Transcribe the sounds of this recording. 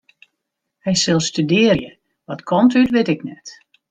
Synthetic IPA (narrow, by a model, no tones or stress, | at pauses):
hɛjsɪlˠstydɪːrjə | ʋɔtkʰɔmtytʋɪtɪknɛt